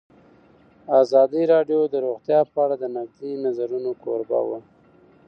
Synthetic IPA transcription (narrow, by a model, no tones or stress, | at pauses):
azɑd̪iɾɑɖjod̪əɾoɣt̪jɑpəaɽad̪ənaɡ̚d̪inazaɾunokʰo̰ɾba̰wə̰